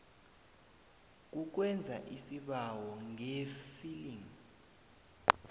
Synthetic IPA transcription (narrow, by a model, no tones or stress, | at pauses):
k̬uk̬wɛnd͡zʱa̰ʔisiɓawɔŋefiliŋ